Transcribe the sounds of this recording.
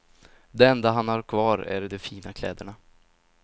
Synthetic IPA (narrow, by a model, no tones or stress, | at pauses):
d̪ɛɛnd̪aɦanhaɾkʰvɑːɾæ̰ɾɖɔfiːnakʰlɛːd̪əɳa